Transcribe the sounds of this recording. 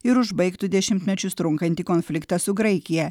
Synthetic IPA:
ɪɾʊʒbɐɪkt̪ʊd̪ʲɛʃʲɪmʲt̪ʲmʲɛt͡ʃʲʊst̪ɾʊŋkɐnʲt̪ʲiːkoːnʲfʲlʲɪkt̪ɐsʊɡɾɐɪkʲɪjɛ

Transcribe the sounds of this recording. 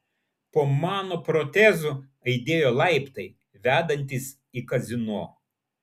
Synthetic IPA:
poːmɑːnoːpɾot̪ʲɛzu | ɐɪd̪ʲeːjoːlˠɐˑɪpt̪ɐɪ | ʋʲæːd̪ɐnʲt̪ʲɪs | ikɐzʲɪnoː

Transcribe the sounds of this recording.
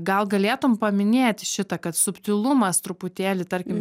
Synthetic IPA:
ɡɐlˠɡɐlʲeːt̪ʊmpɐmʲɪnʲeːt̪ʲʃʲɪt̪ɐkɐt̪sʊpʲt̪ʲɪlˠʊmɐst̪ɾʊpʊt̪ʲeːlʲɪt̪ɐɾʲkʲɪm

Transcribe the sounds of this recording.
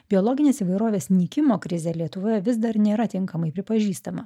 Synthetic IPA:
bʲɪolˠɔːɡʲɪnʲeːsiːʋɐɪɾoːʋʲeːsnʲiːkʲɪmoːkɾʲɪzʲeːlʲiɛt̪ʊʋoːjɛʋʲɪsd̪ɐɾnʲeːɾɐt̪ʲɪŋkɐmɐɪpʲɾʲɪpɐʒʲiːst̪ɐmɐ

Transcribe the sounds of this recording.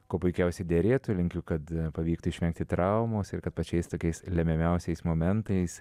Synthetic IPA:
koːpʊɪkʲɛʊsʲɛɪd̪ʲeɾʲeːt̪ʊlʲɪŋʲkʲʊkɐt̪pɐʋʲiːkt̪ʊɪʃʲʋʲɛŋk̚t̪ʲɪt̪ɾɐʊmoːsɪɾkɐt̪pɐt͡ʃʲɛɪst̪oːkʲɛɪslʲɛmʲɛmʲɛʊsʲɛɪsmoːmʲɛnt̪ɐɪs

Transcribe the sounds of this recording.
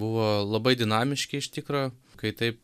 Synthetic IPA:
bʊʋoːlˠɐbɐɪd̪ʲɪnɑːmʲɪʃʲkʲɪɪʃt̪ʲɪkɾoːkɐɪt̪ɐɪp̚

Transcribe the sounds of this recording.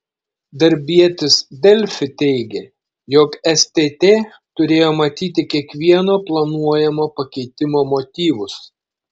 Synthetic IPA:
d̪ɐɾʲbʲiɛt̪ʲɪsd̪ʲɛlʲfʲɪt̪ʲɛɪɡʲe | joːkɛsʲt̪ʲeːt̪ʲeː | t̪ʊɾʲeːjoːmɐt̪ʲiːt̪ʲɪkʲiɛkʋʲiɛnoːplˠɐnuɔjɛmoːpɐkʲɛɪt̪ʲɪmoːmoːt̪ʲiːʋʊs

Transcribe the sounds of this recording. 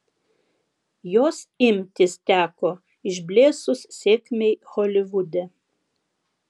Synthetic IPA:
joːsɪmʲt̪ʲɪst̪ʲæːkoː | ɪʒʲbʲlʲeːsʊssʲeːkʲmʲɛɪxɔlʲɪʋʊd̪ʲɛ

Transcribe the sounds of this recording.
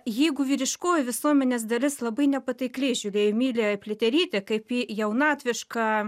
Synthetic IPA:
jɛɪɡʊʋʲiːɾʲɪʃkoːjʋʲɪsuɔmʲɛnʲeːsd̪ɐlʲɪslˠɐbɐɪnʲɛpɐt̪ʲɐɪklʲɛɪʒʲʊɾʲeːjomʲiːlʲeːpʲlʲɪt̪ʲɛɾʲiːt̪ʲɛkɐɪpiːjɛʊnɑːt̪ʲʋʲɪʃkɑː

